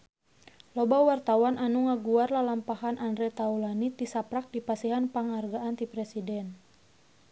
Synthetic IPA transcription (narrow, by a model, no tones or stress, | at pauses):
lɔbawart̪awanʔanuŋaɡuarlalampahanʔandɾɛt̪aulanit̪isapɾak̚dipasiɦanpaŋarɡaʔant̪ipɾɛsidɛn